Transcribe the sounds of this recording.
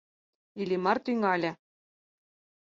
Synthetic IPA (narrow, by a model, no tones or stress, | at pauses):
ilʲimɑrt̪yŋɑlʲɘ̆